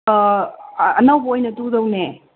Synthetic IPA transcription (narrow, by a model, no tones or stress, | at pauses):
ɐ̰nɐwbɐojnɐtudɐwne